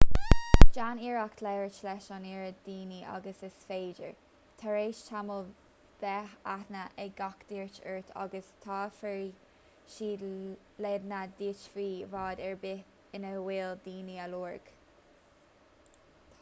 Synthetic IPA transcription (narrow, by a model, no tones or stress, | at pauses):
d͡ʒaniːɹakt̪ʰlɛɹət͡ʃlɛʃɑniːɹəd̪̥iːniʔa̰ɡəsɪsfeːd͡ʒə̰ɹ | t̪ʰaɹeːʃtʰaməl | b̥ɛhat̪nəʔɛɡakd̪̥iːɹt͡ʃəɹt̪ʰa̰ɡəst̪ʰɑːfɛɹi | ʃiː | leːd̪nad̪iːt͡ʃviːvɑːd̪ɛɹbɪ | ɪnəwɪld̪iːniəluːɹɡ̥